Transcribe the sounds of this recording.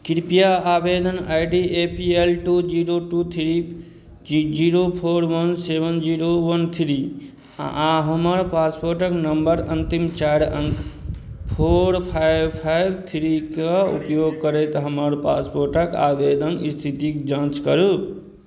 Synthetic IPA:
kiɾpijaabed̪ʱənajɖiepielʈud͡ʒiɾoʈut̪ʰiɾi | id͡ʒiɾopʰoɾwənsebənd͡ʒiɾowənt̪ʰiɾi | a̰ʔãɦəməɾpaspoɾʈəknəmbəɾənt̪imt͡ʃajɾəŋkpʰoɾpʰajbpʰajbt̪ʰiɾikaṵpjoɡ̚kəɾɛt̪ɦəməɾpa̰spoɾʈəka̰bed̪ʱənist̪ʰit̪ikd͡ʒãt͡ʃkəɾu

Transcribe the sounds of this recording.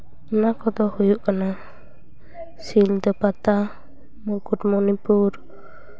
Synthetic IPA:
nakɔd̪ɔhujuʔkana | sild̪ɔpat̪a | mɔkutmɔnipuɾ

